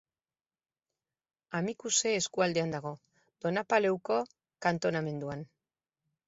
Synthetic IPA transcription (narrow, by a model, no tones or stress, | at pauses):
amikuseːskuald̪e̞and̪aɣ̞o̞ | d̪̥o̞napale̞wko̞ | kant̪o̞name̞nd̪uan